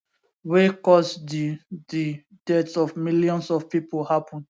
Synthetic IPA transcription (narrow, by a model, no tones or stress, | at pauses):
wekɔsdidi | d̥ɛdsɔvmiljɔ̃nsɔv̥pipolhapɔ̃n